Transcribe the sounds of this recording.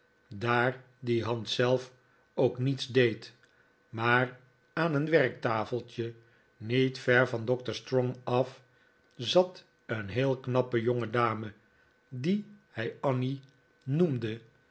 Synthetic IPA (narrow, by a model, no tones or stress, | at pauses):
daːɹ | diɦɑntsɛlˠf | owknitsdejt | maːr | aːnənʋɛɹk̚taːfəlˠtjə | nitfɛɹvɑndɔk̚təɹstrɔŋɑf | zɑt | ənɦɪːlˠknɑpəjoŋədaːmə | dihɛjɑni | numdə